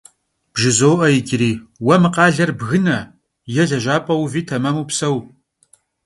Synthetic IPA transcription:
b̥ʒɪzoːʔɐjɪɡʲʼɪɾiːwɐmɨqɑːɮɐrbɣɨnɐ | jɛɮɐʒʷaːpʼɐwviːtʰɐmɐmuːpsɐw

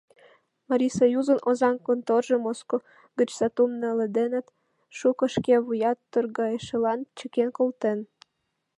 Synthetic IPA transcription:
mɑɾʲisojuzənʔozɑnkont̪orʒə̆mosko | ɡə̆t͡ɕsɑt̪umnə̆lə̆d̪enə̆t̪ | ʃukə̆ʃkeβujɑt̪ːørɣɑjeʃə̆lɑnt͡ɕə̆kenkolt̪en

